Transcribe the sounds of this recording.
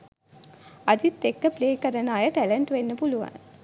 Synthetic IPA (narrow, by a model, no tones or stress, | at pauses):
ad͡ʒit̪ːekːəpleːkəɾənaːjəʈæləɳʈʋenːəpuluʋa̰n